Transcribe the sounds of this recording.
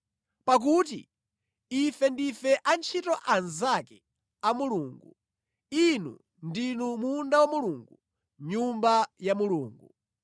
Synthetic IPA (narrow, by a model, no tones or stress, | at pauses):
pak̬uːtḭ | ifɛndifɛʔant͡ʃʰitɔʔanzakɛ̥ | amuluːŋɡu | inṵ | ndinumundawamuluŋɡu | ɲumbajamuluːŋɡu